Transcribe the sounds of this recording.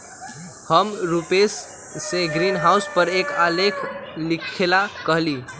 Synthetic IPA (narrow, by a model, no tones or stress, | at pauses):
həmɾupesː | eɡɾinɦauspəɾekalekʰlikʰelakəɦli